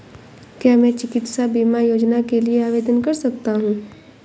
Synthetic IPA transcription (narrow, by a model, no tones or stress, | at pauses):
kjaːmɛ̃ːt͡ʃɪkɪt̪sabiːmajoːd͡ʒnakelieaːʋeːd̪ənkɐɾsɐkt̪aɦũː